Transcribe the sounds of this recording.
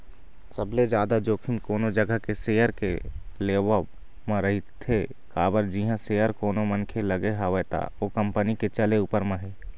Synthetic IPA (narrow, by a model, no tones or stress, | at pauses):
səbled͡ʒaːd̪ad͡ʒoːkʰɪmkoːnod͡ʒəɡəkeseːjəɾkeleːʋə | mãɾəɦit̪ʰːe | kaːbəɾd͡ʒiɦãseːjəɾkoːnomənkʰeləɡeɦaʋet̪a̰okə̃mpəniket͡ʃəleupəɾmə̃ɦeː